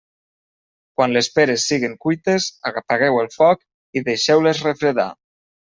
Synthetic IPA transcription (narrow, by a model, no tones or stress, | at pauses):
kwanlespeɾesːiɣiŋkujt̪ezaɣapaɣɛwelˠfɔk | iðeʃɛwlezrefɾeða̰